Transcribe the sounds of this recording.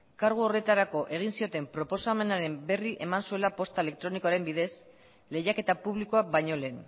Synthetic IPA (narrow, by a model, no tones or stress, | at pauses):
kaɾɣ̞uo̞re̞t̪aɾako̞ʔe̞ɣ̞insio̞t̪e̞mpɾo̞po̞same̞naɾe̞mbe̞riʔe̞mansue̞lapo̞st̪ae̞le̞k̚t̪ɾo̞nikoaɾe̞mbiðe̞s | le̞jake̞t̪apuβ̞liko̞aβajɲo̞le̞ːn